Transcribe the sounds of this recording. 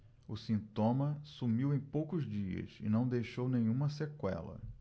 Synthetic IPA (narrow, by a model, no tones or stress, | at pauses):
ʊsĩnt̪õmɐsumiwẽj̃powkʊzd͡ʒiɐ̰sɪ̰nɐ̃w̃d̪ejʃownẽj̃ũmɐsekwɛ̰lɐ̰